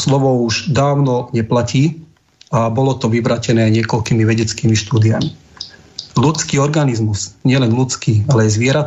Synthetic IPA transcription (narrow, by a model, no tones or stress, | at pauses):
slɔʋɔuʒd̪aːʊnɔɲɛplaciː | abɔlɔt̪ɔʋiʋɾaːcɛnɛːɲɪɛkɔlkiːmiʋɛɟɛt͡skiːmiʃt̪uːd̪iami | lut͡skiːɔɾɡanizmuz̥ɲɪɛlɛnlut͡skiːalɛɛjzʋɪɛɾat̪